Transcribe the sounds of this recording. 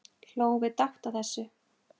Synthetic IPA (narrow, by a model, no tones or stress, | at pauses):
l̥oːwvɪðt̪axt̪aθɛsːʏ